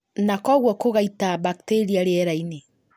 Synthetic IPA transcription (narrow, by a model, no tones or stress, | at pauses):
nakɔɣwɔkoɣaitabakteɾiaɾeɛɾaine